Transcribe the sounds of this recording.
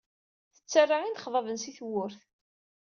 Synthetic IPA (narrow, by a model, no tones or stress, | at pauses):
θə̥t͡sːərˤːaʁind̪χðˤɑvənsiθwʊɾθ